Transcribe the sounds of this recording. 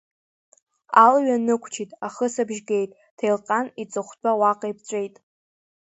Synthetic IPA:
alɥanɨkʷʰt͡ʃʰitʼaχəsabʒɡʲe̞jtʼ | tʰejlqʼanit͡sʼɨχʷt͡pʰʷʼawaqʼajpʰt͡ɕʷʼe̞jtʼ

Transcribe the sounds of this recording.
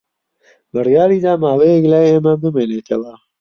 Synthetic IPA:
bɨrjaːɾiːd̪aːmaːwejeklaːjeːmɐbɨmenet̪ʰɐwɐ

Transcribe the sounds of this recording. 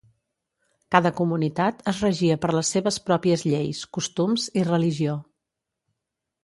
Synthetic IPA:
kaðəkumunit̪at̪əzrəʒiəpəɾləsːeβəspɾɔpiəzʎejskust̪umzirəliʒio

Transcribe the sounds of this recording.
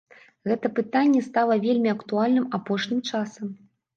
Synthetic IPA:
ɣɛt̪ɐpɨt̪anʲːɛst̪alˠɐvʲelʲmʲiɐkt̪ualʲnɨmapɔʂnʲimt͡ʂasɐm

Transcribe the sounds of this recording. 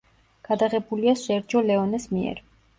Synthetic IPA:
ɡ̥ad̪aʁɛbuliaʃɛɾd͡ʒɔlɛɔnɛsmiɛ̰ɾ

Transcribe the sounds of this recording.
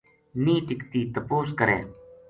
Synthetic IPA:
niːʈɪkt̪iːt̪ɐpoːs̬kɐɾḛː

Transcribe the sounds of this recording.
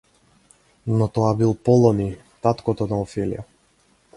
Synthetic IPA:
nɔt̪ɔabilˠpɔlˠɔni | t̪at̪kɔt̪ɔnaɔfɛlḭja̰

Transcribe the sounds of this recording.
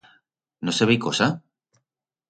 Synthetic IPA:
noseβejkosa

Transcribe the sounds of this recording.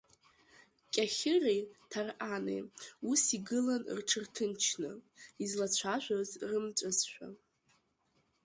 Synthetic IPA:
kʲʼaχʲɪrejtʰarʔanḛjusiɡɨlan̰rʈ͡ʂʰɨrtʰɨnt͡ʃʰnɨ̰izlat͡ɕʷʰaʃʷᶣazrɨmt͡ʃʷʼɨzʃʷᶣa̰

